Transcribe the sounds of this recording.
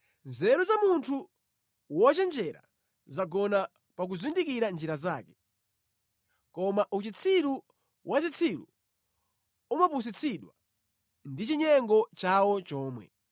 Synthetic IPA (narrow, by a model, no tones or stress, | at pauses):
zɛɾuzamuntʰu | wɔt͡ʃɛnd͡ʒɛɾa̰ | zaɡɔna | pak̬uzindikiɾand͡ʒiɾazaːkɛ̥ | kɔmaʔut͡ʃit͡sʰiɾu | wʔazit͡sʰiɾṵ | umapus̬it͡sʰiɗwa | ndit͡ʃiɲɛŋɡɔt͡ʃawɔt͡ʃɔːmwɛ̰